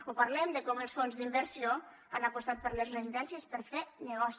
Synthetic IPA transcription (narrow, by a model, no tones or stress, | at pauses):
upaɾlɛmd̪əkɔməlˠsfonzðimbəɾsio | anapost̪at̪̚pəɾləzrəziðɛnsiəspəɾfenəɣɔs